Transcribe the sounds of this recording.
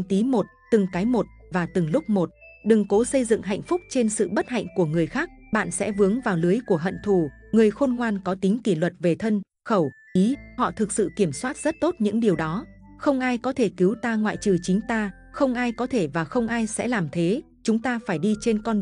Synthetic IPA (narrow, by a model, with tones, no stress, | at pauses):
ŋt̪i˨˦mo˨˩t̚t̪ɨ˨˩ŋkaː˨˦jmo˨˩t̚ | vaː˨˩t̪ɨ˨˩ŋlʊ˦˥k͡p̚mo˨˩t̚ɗɨ˨˩ŋko˨˦sə˧jzɨ̰˧˨ŋɦa̰˧˨jŋ̟fʊ˦˥k͡p̚t͡ɕe˧nsɨ̰˧˨ɓə˦˥t̚ha̰˧˨jŋ̟ku˧˩əŋɨ˨˩əjxaː˦˥k̚ɓa̰ː˧˨nsɛ̰˧˥vɨ˨˦əŋvaː˨˩wlɨ˨˦əjku˧˩əɦə̰˧˨nt̪ʰu˧˩ | ŋɨ˨˩əjxo˧nŋwaː˧nkɔ˨˦t̪ï˨˦ŋ̟ki˧˩lwə˨˩t̚ve˨˩t̪ʰə˧n | xə˧˩wʔi˨˦hɔ̰˧˨t̪ʰɨ˨˩k̚sɨ̰˧˨ki˧˩əmswaː˦˥t̚z̥ə˦˥t̚t̪o˦˥t̚ɲɨ̰˧˥ŋɗi˨˩əwɗɔ˨˦ | xə˧wŋ͡mʔaː˧jkɔ˨˦t̪ʰe˧˩ki˨˦wt̪aː˧ŋwa̰ː˧˨jt͡ɕɨ˨˩t͡ɕï˨˦ŋ̟t̪aː˧ | xə˧wŋ͡mʔaː˧jkɔ˨˦t̪ʰe˧˩vaː˨˩xə˧wŋ͡mʔaː˧jsɛ̰˧˥laː˨˩mt̪ʰe˨˦ | t͡ɕʊ˨˦ŋ͡mt̪aː˧faː˧˩jɗi˧t͡ɕe˧nkɔ˧n